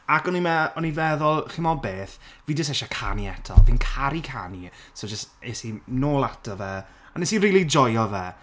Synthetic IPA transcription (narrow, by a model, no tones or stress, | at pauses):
akɔnimɛɔnivɛðɔlˠχɪmɔbeːθviːdəs̬ɛʃakʰa̰niɛtʰɔ̰viːnkʰaɾikʰa̰nisod͡ʒəstesinoːlˠatʰɔvɛ | anɛsinriːlˠid͡ʒɔjɔvɛ